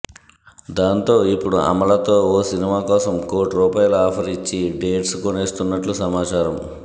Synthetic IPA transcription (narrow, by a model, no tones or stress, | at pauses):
d̪aːnt̪o̞ːipːuɽuʔɐ̰mɐɭɐt̪o̞ːoːsinimaːkɔːsɐmkoːɾʈɾuːpaːjɐluaːpʰɐɾit͡ʃːiɖe̞ːʈskoneːst̪unːɐʈlusɐmaːt͡ʃaːɾɐm